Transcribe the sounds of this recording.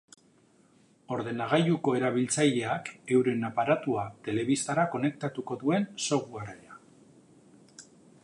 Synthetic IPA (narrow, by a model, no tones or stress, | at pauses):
o̞ɾðe̞naɣ̞ajuko̞e̞ɾaβ̞ilt͡saʎe̞ake̞wɾe̞napaɾat̪uat̪e̞le̞β̞ist̪aɾako̞ne̞k̚t̪at̪uko̞ðue̞nso̞ɣuarea